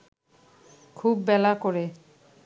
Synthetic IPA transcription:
kʰubːɛlakoɾe

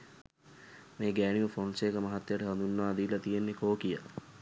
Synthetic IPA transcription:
meːɡæːɳiʋəfoːnsekəmɐɦat̪ːjəʈəɦɐnd̪unːəʋaːd̪iːlɐt̪ijenːekoːkijə

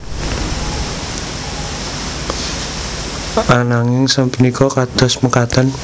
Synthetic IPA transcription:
anaŋɪŋsəmpənikʰɔkad̪̥ɔ̤sməkat̪an

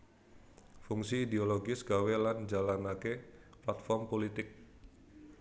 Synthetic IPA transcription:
fuŋsiːd̪eoloɡɪsɡ̥aweland͡ʒalanakeplat̪̚fɔrmpolit̪ɪk̚

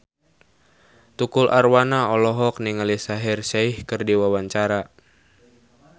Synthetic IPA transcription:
t̪ukulʔarwanaɔlɔɦɔkniŋalisaɦirʃaihkɨrdiwawaɲt͡ʃaɾa

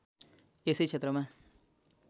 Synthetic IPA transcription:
esejt͡ʃʰet̪ɾʌmã

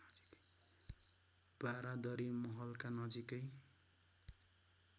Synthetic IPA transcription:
b̥aɾad̪ʌɾimʌɦʌlkanʌd͡zikʌj

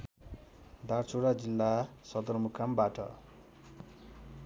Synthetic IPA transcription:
d̪art͡soɽad͡zilːasʌd̪ʌrmukʰambaʈʌ̰

